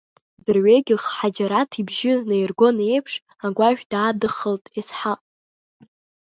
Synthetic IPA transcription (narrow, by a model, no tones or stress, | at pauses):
dɨrɥeɡʲɪχħad͡ʒaɾatʰibʒɪnejrɡo̞nejpʰʂ | aɡʷaʒᶣdaːdɨχəltʼisħa